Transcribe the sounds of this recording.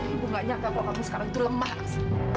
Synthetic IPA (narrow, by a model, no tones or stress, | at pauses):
buŋɡaʔɲakakakamisə̥kaɾaŋit̪uləmahs